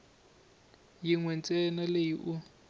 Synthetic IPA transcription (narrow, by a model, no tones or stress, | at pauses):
jiŋwɛnt͡sʼɛnalejiʔu